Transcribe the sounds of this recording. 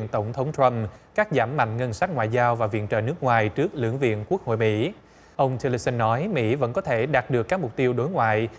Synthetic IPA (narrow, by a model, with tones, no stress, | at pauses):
nt̪ə˧˩wŋ͡mt̪ʰə˨˦wŋ͡mt̪ʰɾə˧mkaː˦˥k̚zaː˧˩mːa̰˧˨jŋ̟ŋə˧nsa˦˥t̚ŋwa̰ː˧˨jzaː˧wvaː˨˩vḭ˧˨ənt͡ɕə̰ː˧˨˩nɨ˦˥ək̚ŋwaː˨˩jt͡ɕɨ˦˥ək̚lɨ̰˧˩əŋvḭ˧˨ənku˦˥k̚ho̰˧˨jmḭ˧˥ | ʔə˧wŋ͡mt͡ɕ̪ʰɛ˧li˧sə˧nːɔ˨˦jmḭ˧˥və̰˧˥nkɔ˨˦t̪ʰe˧˩ɗaː˨˩t̚ɗɨ˨˩əkːaː˦˥k̚mʊ˨˩k͡p̚t̪i˧əwɗo˨˦jŋwa̰ː˧˨j